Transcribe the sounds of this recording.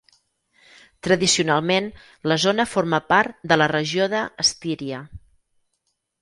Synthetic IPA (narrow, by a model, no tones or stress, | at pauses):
t̪ɾəðisiunalˠmen | ləzonəfoɾməpaɾt̪̚d̪ələrəʒioðəːst̪iɾiə